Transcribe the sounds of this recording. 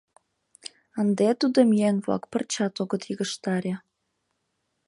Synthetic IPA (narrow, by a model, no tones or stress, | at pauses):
ə̆nd̪et̪ud̪ɤ̆mjænvlɑ̰kpə̆rt͡ɕɑt̪oɡɤ̆t̪jiɣə̆ʃt̪ɑɾʲɑ